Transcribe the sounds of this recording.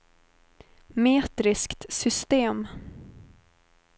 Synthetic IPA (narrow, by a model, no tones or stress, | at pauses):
meːt̪ɾɪskt̪sʏst̪eːm